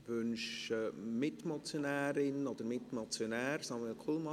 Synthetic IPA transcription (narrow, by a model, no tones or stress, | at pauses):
ʋʏnʃəmɪtmɔt͡sjonæːɾɪnɔd̥̪əɾmɪtmɔt͡sjonæːɾsɑməəkʰulmɑ